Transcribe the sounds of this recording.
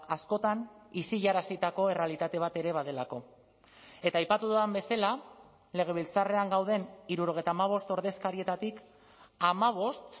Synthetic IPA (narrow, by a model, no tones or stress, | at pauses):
asko̞t̪anisiʎaɾasit̪ako̞e̞re̞alit̪at̪e̞β̞at̪e̞ɾe̞β̞að̞e̞lako̞ | e̞t̪aːjpat̪uðuambe̞sala | le̞ɣ̞e̞β̞ilt͡sare̞aŋɡawðe̞niɾuɾo̞ɣ̞ejt̪aːmaβ̞o̞st̪o̞ɾðe̞skaɾie̞t̪at̪ik | amaβ̞o̞st̪